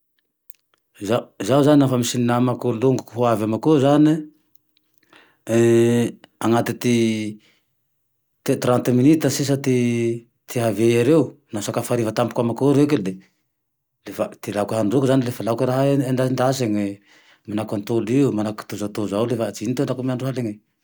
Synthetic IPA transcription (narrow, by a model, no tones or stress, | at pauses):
zazawzaninafamisininamakoluŋɡukuɦuavamakozani | aŋat̪it̪i | t̪et̪ɾant̪eminit̪əsis̬at̪i | t̪iɦavejaɾewnasakafaɾivat̪ampukamakoɾekile | lefat̪ilakaɦaɳɖ͡ʐukuzanilefalakiɾaɦaend̪aind̪asaŋi | manakant̪oliumanaku̥t̪uzat̪ozawlefat͡sinit̪oanɖ͡ʐakumiaɳɖ͡ʐuɦaleŋi